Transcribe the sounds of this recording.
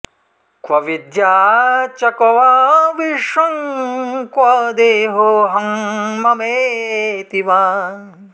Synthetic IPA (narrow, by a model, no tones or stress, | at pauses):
kʋɐʋid̪jaːt͡ʃɐkɐʋaːʋiʂɐŋ | kʋɐd̪eːɦoɦɐŋmɐmeːt̪iʋaː